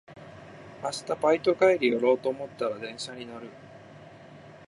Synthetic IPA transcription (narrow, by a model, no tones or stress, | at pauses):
masɨ̥t̪apait̪o̞kaiɾʲijoɾo̞ːt̪o̞ːmo̞t̪ːaɾad̪ẽ̞ɰ̃ɕaɲ̟inaɾɯ̟